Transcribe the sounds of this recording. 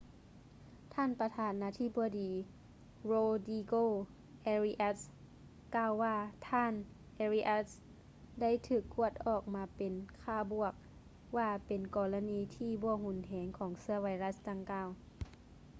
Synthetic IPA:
t̪ʰaː˧˥˨npa˧t̪ʰaː˨˧˦nːaː˧t̪ʰi˧˥˩bɔ˧˦diː˨˦ | ɾoː˧diː˧ɡoː˧ | ʔɛː˧ɾi˧ʔa˧˥t̪̚s | kaː˧˨wːaː˧t̪ʰaː˧˥˨n | ʔɛː˧ɾiː˧ʔa˧˥t̪̚s | da˥˩˨jt̪ʰɯː˧˩kːu˧˩ət̪̚ʔɔː˨˩k̚maː˧˦pe˨nkʰaː˧˩bu˧˩ək̚ | waː˧˩pe˨nkɔː˨˧la˧niː˧t̪ʰiː˧˨bɔː˧˦hu˧˩nɦɛː˨˦ŋkʰɔː˨˩˦ŋsɯ˧ɐwa˧jɾa˧˥sda˧˩ŋkaː˧˩w

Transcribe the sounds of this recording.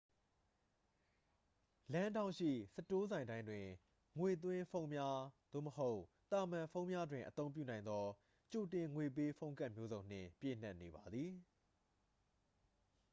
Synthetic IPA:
lã˦ndã˦˨ʃḭ˦˨sə˦to˦zã˨ɪ̃ndã˦ɪ̃ndwɪ̃˨ | ŋwe˨t̪̬wɪ̃˦fʰõ˦ʊ̃mja˦d̪̥o̰˦˨məho˦ʊt̪a˨mã˨fʰõ˦ʊ̃mja˦dwɪ̃˨ʔət̪õ˦ʊ̃pjṵ˦˨nã˨ɪ̃nd̪ɔ˦ | t͡ɕo˨tɪ̃˨ŋwe˨p̬e˦fʰõ˦ʊ̃ŋka˦ʔmjo˦zõ˨ʊ̃n̥ɪ̰̃˦˨pjḛ˦˨n̥a˦ʔne˨ba˨d̪ði˨

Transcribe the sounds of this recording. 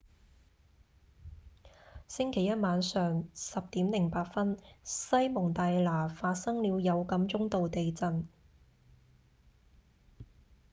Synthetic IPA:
sɪ˥ŋkʰe˨˩jɐ˥t̚maː˨˧nsœː˨ŋsɐ˨p̚t̪iː˨˥mlɪ˨˩ŋpaː˧t̚fɐ˥nsɐ˥jmʊ˨˩ŋt̪aː˨jlaː˨˩faː˧t̚sɐ˥ŋliː˨˧wjɐ˨˧wkɐ˨˥mt͡sʊ˥ŋt̪o˨wt̪e˨jt͡sɐ˨˧n

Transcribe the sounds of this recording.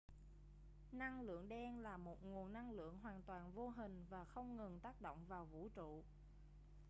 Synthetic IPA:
na˧ŋlɨ̰˧˨əŋɗɛ˧nlaː˨˩mo˨˩t̚ŋu˨˩ənːa˧ŋlɨ̰˧˨əŋɦwaː˨˩nt̪waː˨˩nvo˧ɦï˨˩ŋ̟vaː˨˩xə˧wŋ͡mŋɨ˨˩nt̪aː˦˥k̚ɗo̰˧˨wŋ͡mvaː˨˩wvṵ˧˥t͡ɕṵ˧˨

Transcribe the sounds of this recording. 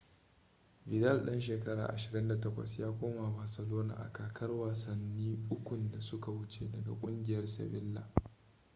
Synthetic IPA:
bɪ˨dɐ˦˨lɗɐ˦nʃ̬eː˨kɐ˦ɽa̰ː˨ʔa˨ʃɪ˨ɾɪ˦nda˨tɐ˦kʷɐ̰˨sjaː˦kʷoː˦ma˨baː˨sɐ˨loː˦na̰ː˨ʔa̰˨kaː˨kʰɐ˦rwaː˨sɐ˨nːiː˦ʔʊ˦kʷʊ˨nda˨sʊ˦ka˨wʊ˦t͡ʃḛː˨dɐ˨ɡa̰˨kʷʼʊ˦ŋɡʲɪ˨jɐ˦rsɐ̰˨bɪ˦lːa̰ː˨

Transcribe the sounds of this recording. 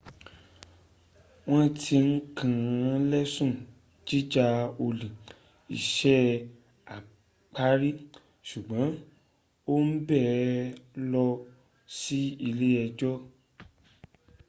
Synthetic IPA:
w̃ɔ̃˦tʰi˧n̩˦kʰã˦˨˦lɛ˦sũ˦˨ | d͡ʒi˦d͡ʒa˧o˧lĩ˨ | i˨ʃɛ˦ | a˨ | k͡pa˦ɾi˦ | ʃu˨ɡ͡bã˨˦ | o˦n̩˦bɛ˦˨lɔ˧ | si˦i˧le˦ɛ˧d͡ʒɔ˦

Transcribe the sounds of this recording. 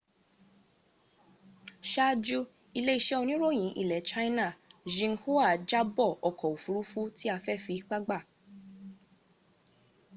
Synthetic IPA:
ʃa˦d͡ʒu˧ | i˧le˦i˦˧˨ʃɛ˦o˧nĩ˦ɾo˦˨j̃ĩ˨˦ʔḭ˦˨lɛ˨˦t͡ʃa˦i˦nã˦˨ʒĩ˧ŋ̩˦hu˦a˦˨d͡ʒa˦bɔ˦˨ɔ˨kɔ˨u˨fu˨˦ɾu˦fu˦ti˦a˧fɛ˦fi˨˦k͡pa˦ɡ͡ba˦˨

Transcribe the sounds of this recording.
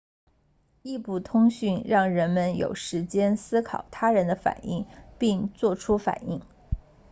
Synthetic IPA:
i˥˧pu˥˩t̪ʰʊ˥ŋɕy˥˧nɻɑ˥˩ŋɻə˧˥nmə˧njo̰˨˩ʊʂɻ̩˧˥t͡ɕjɛ˥nsɹ̩˥kʰɑ˨˩ʊt̪ʰa˥ɻə˧˥nd̪ə˧fa̰˨˩˦ni˥˩ŋpi˥˧ŋt͡swɔ˥˩ʈ͡ʂʰu˥fa̰˨˩ni˥˩ŋ

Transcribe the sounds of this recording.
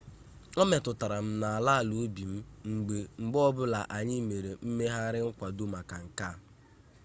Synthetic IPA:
ɔ˦me˨tʊ˨ta˨ɾa˨m̩˦na˨a˨la˦a˨lu˨˦bi˨m̩˦ŋ͡m̩˨ɡ͡be˨ŋ͡m̩˨ɡ͡bɔ˦bʊ˦la˨ʔa˨ɲɪ˦me˨ɾe˨m̩˦me˦ɦa˦ɾɪ˦ŋ̩˦kʷa˨do˦ma˨ka˨ŋ̩˨ka˦˨

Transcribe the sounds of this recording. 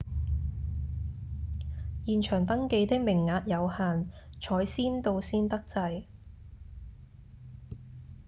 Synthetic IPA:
jiː˨nt͡ʃʰœː˨˩ŋt̪ɐ˥ŋke˧jt̪ɪ˥k̚mɪ˨˩ŋːaː˨˧t̚jɐ˨˧whaː˨nt͡ʃʰɔː˨˥jsiː˥nt̪o˧wsiː˥nt̪ɐ˥k̚t͡sɐ˧j

